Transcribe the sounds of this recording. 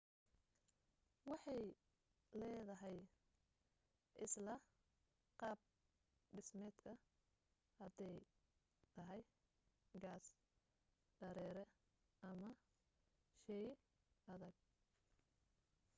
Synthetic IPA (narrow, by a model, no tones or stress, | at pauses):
wɑħɑj | lɛːðɐɦɛj | ʔɪslɐ | qɑːb̚ | ɖɪsmɛːd̪kʰɐ | hɐd̪ɛj | t̪ʰɐɦɛj | ɡaːs | ɖ̥ɐɾɛːɾɛ | ʔɐmɐ | ʃɛj | ɐðɐɡ̚